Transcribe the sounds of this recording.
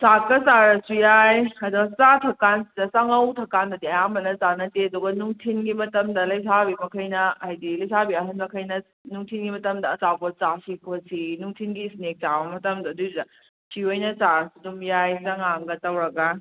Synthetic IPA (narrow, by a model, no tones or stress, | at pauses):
sakːɐsaɾɐsujajɐduɡɐsatʰɐkansidɐsɐŋɐwtʰɐkːandɐdiɐjambɐnɐt͡ʃanɐteɐduɡɐnuŋtʰinɡimɐtɐmdɐlɐjs̬abimɐkʰɐjnɐajdilɐjsabiɐɦɐnmɐkʰɐjnɐ | nuŋtʰinɡimɐtɐmdɐːt͡ʃawbɐt͡ʃasikʰosinuŋtʰinɡisnek̚t͡ʃabɐmɐtɐmdɐːdudɐ | siojnɐsaɾɐsudumjajsɐŋaŋɡɐtɐwɾɐɡɐ